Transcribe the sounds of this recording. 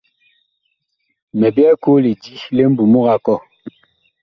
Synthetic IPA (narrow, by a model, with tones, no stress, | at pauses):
mɛ˨bjɛ˦ko˦li˨di˦le˦m̩˦bu˨mu˦ɣa˦kɔ˦˨